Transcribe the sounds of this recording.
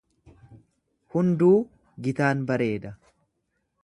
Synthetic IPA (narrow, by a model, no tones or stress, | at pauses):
hʊnd̪uː | ɡɪt̪aːnbɐɾe̞ːd̪ɐ